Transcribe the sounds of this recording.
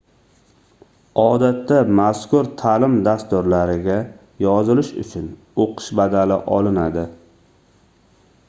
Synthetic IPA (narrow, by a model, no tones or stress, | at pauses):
ɒd̪at̪ʰːamaskʊɾt̪ʰalɪmd̪ast̪ʊɾlaɾɪɡʲa | jɒzɪlɪʃʊ̰t͡ʃʰʊn | oqʰɨ̥ʃbad̪alɪʔɒlɪnad̪ɪ